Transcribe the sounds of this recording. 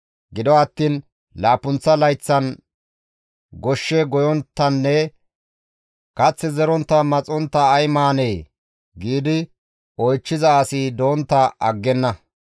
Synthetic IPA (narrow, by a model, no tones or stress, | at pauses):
ɡɪd̪ɔɐt̪ːiːn | laːpʊnt͡sːɐlɐjt͡sːɐn | ɡɔʃːɛɡɔjɔnt̪ːɐnːɛ | kɐt͡sːɛzɛɾɔnt̪ːɐmɐt͡sʼɔnt̪ːɐːjmaːneː | ɡiːd̪ɪ | ɔjt͡ʃːɪzɐːsid̪o̞ːnt̪ːɐʔɐɡːɛnːɐ